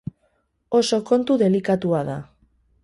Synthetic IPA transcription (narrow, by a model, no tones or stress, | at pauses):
o̞so̞ko̞nt̪uðe̞likat̪uaða̰